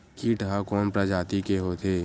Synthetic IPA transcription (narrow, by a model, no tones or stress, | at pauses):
kiːʈɦakɔːmpɾad͡ʒaːt̪ikeɦoːt̪ʰeː